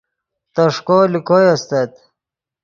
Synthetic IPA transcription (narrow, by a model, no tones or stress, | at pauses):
t̪ɐʂkolikojɐst̪ɐt̪